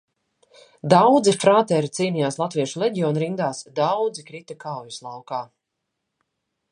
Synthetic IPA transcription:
d̪awd̪zifɾaːt̪ɛːɾit̪siːnijaːslˠat̪viɛʃulɛɟiɔːnɾind̪aːsd̪awd̪zikɾit̪akawjuslˠawkaː

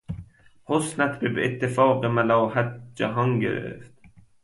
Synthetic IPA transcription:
hosnæt̪bebet̪ʰːefɒːqemælɒːhæt̪̚d͡ʒæɦɒŋɡḛɾḛft̪

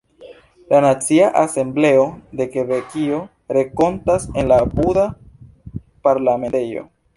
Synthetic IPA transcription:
lanat͡siaʔase̞mble̞o̞de̞ke̞vekio̞ | ɾe̞ko̞ntase̞nlabuda | paɾlame̞tejo̞̰

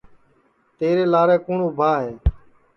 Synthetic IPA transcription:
t̪eːɾeːlaːɾɛːkuːɳoːbʱaːɦeː

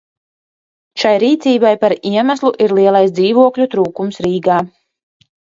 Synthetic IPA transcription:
ʃajɾiːt̪siːbajpaɾiɛmaslˠuʔiɾlˠiɛlˠajsd̪ziːvuɔklʲut̪ɾuːkumsɾiːɡaː

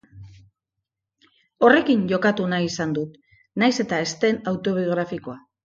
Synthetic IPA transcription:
o̞re̞kiɲʝo̞kat̪unaisand̪ut̪ | najse̞t̪ae̞st̪e̞nawt̪o̞β̞ioɣ̞ɾafiko̞a

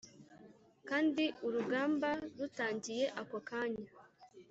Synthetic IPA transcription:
kaːndiuɾuɡaːmbaɾutaːɲɟije̞ʔakokaːɲa

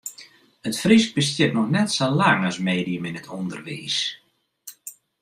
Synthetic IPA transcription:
ətfrisk̚bəstjətnɔxnɛtsalaŋasmeːdiəmɪnətʰɔndərʋḭːs

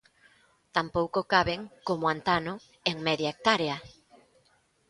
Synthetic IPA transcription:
t̪ampowkokaβeŋkomoant̪anʊ | eŋmeðjaek̚t̪aɾea

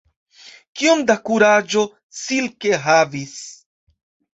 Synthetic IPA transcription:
kiomdakuɾad͡ʒo̞ | silke̞ɦavis

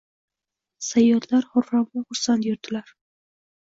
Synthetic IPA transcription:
sajːɒllaɾhɒɾamvaχʊɾsant̪jʊɾd̪ɪlaɾ

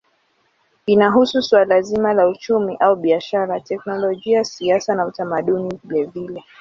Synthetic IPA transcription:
inaɦususwalazimalaut͡ʃumiʔauɓiaʃaɾatɛknɔlɔʄiasiasanautamaɗunivilɛvilɛ

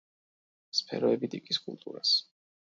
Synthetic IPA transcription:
spʰɛ̰ɾɔɛbid̪ikʼiskʼṵlˠt̪ʼuɾas

